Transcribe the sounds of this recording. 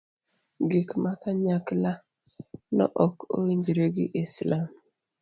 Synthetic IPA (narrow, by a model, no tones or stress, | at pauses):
ɡikmakaɲakla | nɔ̰ʔɔko̰wiɲd͡ʒiɾeɡɪʔislam